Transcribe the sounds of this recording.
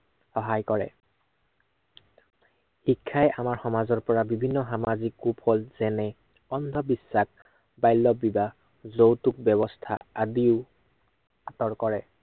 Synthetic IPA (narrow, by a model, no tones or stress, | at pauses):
xɔɦajkɔɹɛ̰ | hikʰːajɛamaɹxɔmazɔɹpɔɹabibʱinːɔɦamazikːupʰɔlz̥ɛnɛ | ɔnd̪ʱɔbisːak̚ | bajlːɔbiba | zowtuk̚bɛbɔstʰa̰adiʊ | atɔɹkɔɹɛ